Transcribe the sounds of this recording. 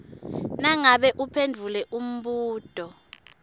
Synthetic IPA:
naŋaɓɛʔupʰendʱulɛʔum̩ɓuːd̥ʱɔ

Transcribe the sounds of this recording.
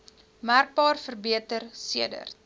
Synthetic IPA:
mærk̚bɑːrfərbiətərsiədə̰r

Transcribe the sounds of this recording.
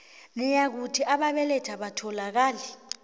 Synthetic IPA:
nɛjak̬utʰiʔaɓaɓɛlɛtʰaɓatʰɔlak̬aːlɛ

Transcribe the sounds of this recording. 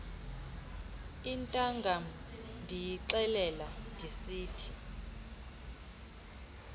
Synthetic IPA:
intʼaŋɡʱam̩ndʱijiǀɛlɛlandʱisiːtʰi̥

